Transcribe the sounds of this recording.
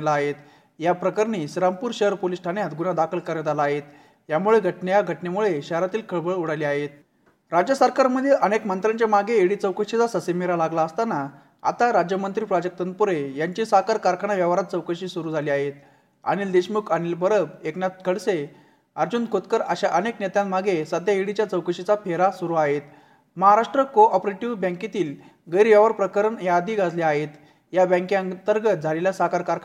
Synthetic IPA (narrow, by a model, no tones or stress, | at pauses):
laːɦet̪ | japɾəkəɾnisiɾampuːɾɕəɦəɾpolisʈʰanjat̪ɡunad̪akʰəlkəɾed̪alaːɦet̪ | jamuɭeɡʱəʈnejaɡʱəʈnemuɭeɕəɦəɾat̪iːlkʰəɭbəɭuɽaliːaɦet̪̚ | ɾad͡ʑjəsəɾkaɾməd̪ʱjeʔənekmənt̪ɾaɲt͡ɕemaɡeːɽit͡səwkəɕit͡sasəsemeɾalaɡlaəst̪ana | a̰t̪aɾad͡ʑjəmənt̪ɾiːpɾad͡ʑək̚t̪ən̚puɾejaɲt͡ɕisaɦkaɾkaɾkʰaɳ̃aʋjəʋaɾat̪̚t͡səwkəɕiːsuɾuːd͡zʱaliaɦet̪ | a̰ñild̪eɕmukanilbəɾəbeknjat̪̚kʰəɽse | əɾd͡ʑunkʰot̪kəɾəɕaʔəneknɛt̪jãnmaɡesəd̪ʱjaɦiɽit͡ɕjat͡səwkəɕit͡sapʰeɾasuɾuaɦet̪ | məɦaɾaʂʈɾəkoʔɔpɾeʈiʋbə̃ŋkit̪iːl | ɡəjɾʋjaʋaɾpɾəkəɾəɳjad̪iːɡad͡zleaɦet̪ | jabə̃ŋkiənt̪əɾɡət̪̚d͡zʱaleljasakaɾkaɾ